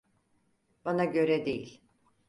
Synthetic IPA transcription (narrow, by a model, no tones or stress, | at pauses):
b̥anaɟø̞ɾɛd̪ejḭlʲ